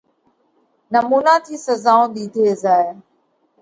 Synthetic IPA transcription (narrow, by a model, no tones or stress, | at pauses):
nəmuːnãːt̪ʰiːsəzaːõːd̪iːt̪ʰeːzaːe